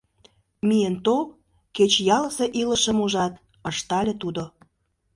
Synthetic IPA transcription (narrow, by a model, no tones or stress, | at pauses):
mijent̪ol | ket͡ɕjɑləseʔiləʃə̆muʒɑt̪̚ | əʃt̪ɑlʲĕt̪ud̪o